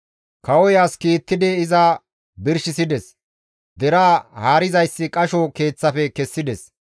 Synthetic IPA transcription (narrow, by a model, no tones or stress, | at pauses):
kɐwɔjaːskiːt̪ːɪd̪ɛɪza | bɪɾʃɪsɪd̪ɛs | d̪ɛɾaːhaːɾɪzɐjsːɪkʼɐʃɔke̞ːt͡sːɐfɛkɛsːɪd̪ɛs